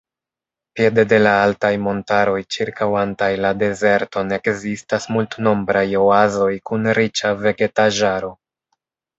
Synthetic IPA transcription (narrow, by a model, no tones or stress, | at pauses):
pje̞de̞de̞laaltajmo̞ntaɾo̞jt͡ʃiɾkawantajlade̞ze̞ɾto̞ne̞kzistasmultno̞mbɾajo̞azo̞jkunɾit͡ʃave̞ɡe̞taʒaɾo̞